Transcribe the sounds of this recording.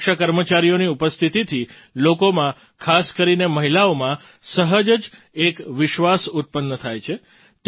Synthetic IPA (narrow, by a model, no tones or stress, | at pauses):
ʃakəɾmət͡ʃaɾijoniupəst̪ʰit̪it̪ʰi | lokomã | kʰaskəɾineməɦilaomã | səɦəd͡ʒəd͡ʒ | ekʋɪʃʋasut̪̚pənːət̪ʰajt͡ʃʰe | t̪